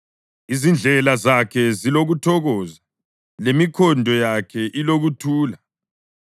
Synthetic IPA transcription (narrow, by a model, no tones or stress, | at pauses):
izind͡ɮʱɛlazakʰɛziloɣutʰɔɣɔza | lemikʰɔndʱɔjakʰɛʔiloɣutʰuːla